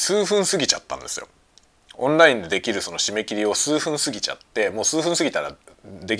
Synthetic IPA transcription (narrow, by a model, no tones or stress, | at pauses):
sɨːɸɯ̟̃ɰ̃sɨɡʲit͡ɕat̪ːã̰nd̪e̞sɨ̰jo̞̰ | õ̞nɾaĩnd̪e̞d̪e̞kʲiɾɯ̟so̞no̞ɕime̞kʲiɾʲio̞sɨːɸɯ̟̃ɰ̃sɨɡʲit͡ɕa̰t̪ːe̞mo̞ːsɨːɸɯ̟̃sɨɡʲit̪aɾad̪e̞kʲ